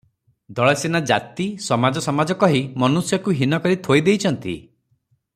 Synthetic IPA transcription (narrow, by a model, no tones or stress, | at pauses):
d̪ɔɭɔsenad͡ʒat̪isɔmad͡ʒɔsɔmad͡ʒɔkɔɦimɔnusjɔkuɦinɔkɔɾit̪ʰojd̪ejt͡ʃʰɔnt̪ḭ